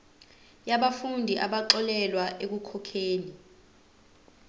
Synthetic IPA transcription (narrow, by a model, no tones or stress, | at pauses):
jaɓafundʱiʔaɓaǁɔlɛlwaʔek̬ukʰɔkʰeːni